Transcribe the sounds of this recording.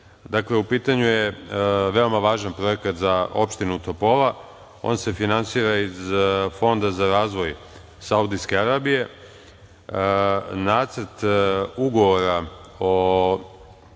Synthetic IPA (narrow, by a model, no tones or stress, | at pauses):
d̪akle̞upiːt̪aɲujeʋe̞o̞maʋaːʒanpɾo̞e̞kat̪zao̞pʃt̪inut̪o̞po̞la | o̞̰nse̞finansiːɾaizfo̞nd̪azaɾaːzʋo̞j | saud̪iske̞aɾaːbije̞ | naːt̪səɾt̪uɡo̞ʋo̞ɾao